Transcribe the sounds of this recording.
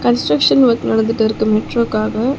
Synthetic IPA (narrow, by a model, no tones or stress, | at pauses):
kɐnsʈɾɐkʂɐnʋɐtnɐɳɐd̪ɯʈːɐɾɯkːɯmɛʈɾoːkaːɡɐ